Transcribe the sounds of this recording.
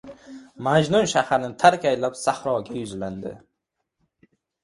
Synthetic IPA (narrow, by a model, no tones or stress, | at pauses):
mad͡ʒnʊnʃahaɾnɪt̪ʰaɾkʲajlapsahɾɒɡʲajʊzland̪ɪ̰